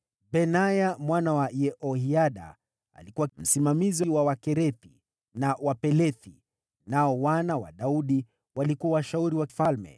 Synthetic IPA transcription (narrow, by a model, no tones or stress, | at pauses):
bɛnajamwanawajɛʔɔhiaɗa̰ | a̰likuwam̩simamiziwawakɛɾɛθi | nawapɛlɛθi | naɔwanawa̰ɗauɗi | walikuwawaʃauɾiwaki̥falmɛ̰